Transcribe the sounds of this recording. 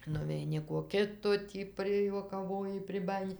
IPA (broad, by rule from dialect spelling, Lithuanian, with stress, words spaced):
nʊʋʲɛɪˈnʲɪ koː ˈkʲɪtoː ˈtʲiː pʲrʲɪjuɔkɐˈʋoːjɪ pʲrʲɪˈbɑːjɪnʲɪ